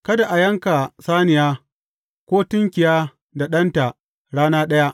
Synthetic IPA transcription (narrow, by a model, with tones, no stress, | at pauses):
kɐ˦da˨ʔa˨jɐ˦ŋka˨saː˦nɪ˨jaː˦ | kʷoː˦tɪ˦ŋkʲɪ˨jaː˦ | da˨ɗɐ˦nta˨ | ɽaː˦naː˦ɗɐ˦ja˦ʔ